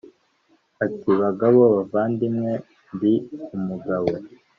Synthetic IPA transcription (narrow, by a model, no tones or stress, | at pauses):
atiβaɡaβoβavaːndimŋe̞ | mbiumuɡaβo